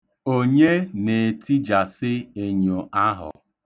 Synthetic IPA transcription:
o˦ɲe˦ne˨ti˦d͡ʒa˨sɪ˦e˦ɲo˨ʔa˦ɦʊ̰˨

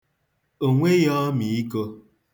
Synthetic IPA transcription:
o˨ŋʷe˦jɔ˦mi˨i˦ko˦

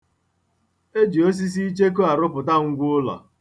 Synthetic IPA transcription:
e˦d͡ʒi˨o˦s̬i˦s̬i˦i˦t͡ʃe˦k̬u˦a˨ɾʊ˦pʊ˨ta˦ŋ̩˦ɡʷʊ˦ʊ˦lɔ̰˨

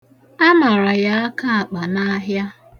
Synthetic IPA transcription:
a˦ma˨ɾa˨ja˦a˦ka˦a˨k͡pa˨na˦ɦja˦

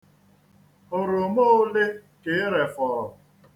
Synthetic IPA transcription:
ʊ˨ɾʊ˨mo˦ʊ˦le˦ke˨˦ɾe˨fɔ˨ɾɔ˨

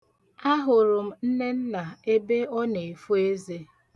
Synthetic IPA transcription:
a˦ɦʊ˨ɾʊ˨m̩˦n̩˦ne˦n̩˦na˨e˦be˦ɔ˦ne˨fu˦e˦ze˦

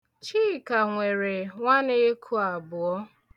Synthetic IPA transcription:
t͡ʃiː˦˨ka˨ŋʷe˨ɾe˨ŋʷa˦ne˦kʰu˦a˨bʊ˨ɔ˦

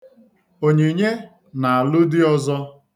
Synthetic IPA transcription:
o˨ɲe˨ɲe˦ | na˨a˨lʊ˦dɪ˦ɔ˦zɔ˦

